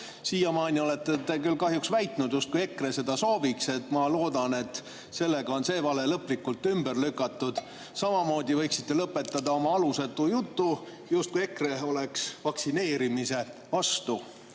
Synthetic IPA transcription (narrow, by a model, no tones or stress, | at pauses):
siːjɑmɑːnʲio̞let̪ːet̪e̞kylːkɑɦjuksvæjt̪nud̪̥just̪̚kuje̞kre̞se̞d̪̥ɑso̞ːvikse̞t̪mɑlo̞ːd̪̥ɑne̞t̪ːˑ | se̞lːe̞ɡ̥ɑo̞nse̞ːvɑle̞lɤpˑlikːˑult̪ːˑymb̥ərlykːˑɑt̪ːud̪̥ | sɑmɑmo̞ːd̪ivɤ̞jksi̥t̪ːe̞lɤpːˑe̞t̪ːˑɑd̪ɑo̞mɑɑluset̪ˑːujut̪ːu | just̪kuije̞kre̞o̞le̞ksvɑksine̞ːɾimise̞vɑst̪u